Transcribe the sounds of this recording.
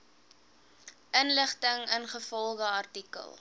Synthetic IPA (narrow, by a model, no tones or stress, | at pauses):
ʔənləχtəŋənχəfɔlˠχəɐrtikə̰lˠ